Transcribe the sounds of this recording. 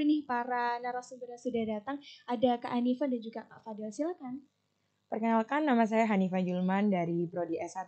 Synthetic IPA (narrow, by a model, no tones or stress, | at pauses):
unɪhpaɾanaɾasənbəɾasudahdat̪aŋadaka̰ʔːnifadand͡ʒuɡakafadɛlsilakan | pərkənalkanːamas̬ajaɦanifad͡ʒəlmandaɾipɾodiɛsat̪